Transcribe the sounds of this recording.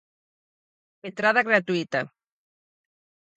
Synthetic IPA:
ent̪ɾaðaɣɾat̪uit̪a̰

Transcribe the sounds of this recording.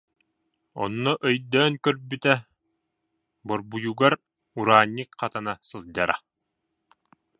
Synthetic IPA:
ɔ̰nːɔʔœjd̪œːnkœɾbyt̪ɛ | bɔɾbujuɡaɾ | uɾaːnʲːikqɑt̪anasɯlˠd͡ʑaɾa̰

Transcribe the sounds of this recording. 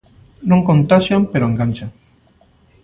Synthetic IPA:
nõŋkõnt̪aʃjampeɾoeŋɡanʲt͡ʃaŋ

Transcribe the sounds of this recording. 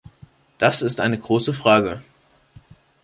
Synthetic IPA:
d̥asɪstʔaɪnəɡʁoːsəfʁ̥aːɡə

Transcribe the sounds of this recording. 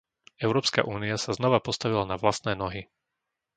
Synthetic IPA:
ɛʊɾɔːpska̰ʔuːniasaznɔʋapɔst̪aʋilanaʋlast̪nɛːnɔɦi

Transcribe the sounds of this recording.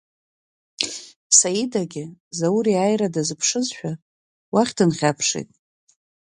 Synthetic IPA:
sajidaɡʲɪzawuɾiajɾadazɨpʰʂɨzʃᶣa | waχʲdɨnχʲapʰʂḭjtʼ

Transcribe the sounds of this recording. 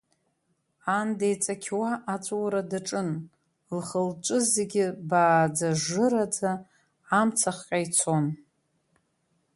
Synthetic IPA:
andejt͡sʼakʲʰwaʔat͡ʃʷʼwɾadaʈ͡ʂʼɨn | lχəlʈ͡ʂʷʼɨzeɡʲɪbaːd͡zaʐɨɾad͡zaː | mt͡sʰaχqʲʼajt͡sʰon

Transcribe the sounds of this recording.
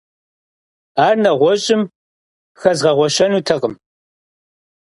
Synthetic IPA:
aːrnɐʁʷɔɕʼɪm | xɐzʁɐʁʷɔɕɐnuːtʰɐqəm

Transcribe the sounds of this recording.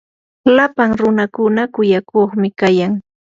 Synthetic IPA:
lapaŋɾʊnakʊnakʊjakoχmɪkajaŋ

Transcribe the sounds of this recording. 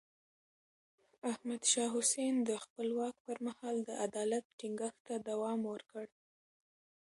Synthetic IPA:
ahmad̪ʃɑɦʊsend̪əxpəlwɑk̚pəɾmahɑld̪əʔad̪ɑlat̪̚ʈiŋɡəxt̪ad̪awɑmwəɾkəɽ

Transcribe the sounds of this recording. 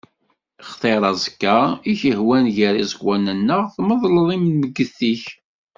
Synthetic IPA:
χt̪ˤeɾˤɑzˤəkːaiçəhwænʝəɾizəɡwænənːəʁθməðˤləðˤimməɡːəθiç

